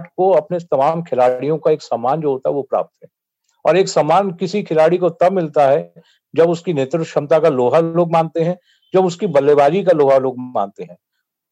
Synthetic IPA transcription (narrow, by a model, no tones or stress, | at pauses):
ʈkoɐpnet̪ɐmaːmkʰɪlaːɽijõkaeːksaːmaːnd͡ʒoːɦoːt̪aɦɛʋopɾa̰ːp̚t̪ɦɛ̃ː | ɔːɾeːksaːmaːnkɪsikʰɪlaːɽikot̪ɐbmɪlt̪aɦɛ | d͡ʒɐbʊskineːt̪ɾɪkʃɐ̃mt̪akaloːɦaloːɡmãːnt̪eɦɛ̃ | d͡ʒɐbʊskibɐlːeːbaːd͡ʒikaloːɦaloːɡ̚mã̰ːnt̪eɦɛ̃ː